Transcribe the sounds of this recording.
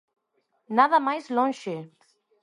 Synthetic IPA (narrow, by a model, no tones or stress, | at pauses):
naðamajslɔnʃe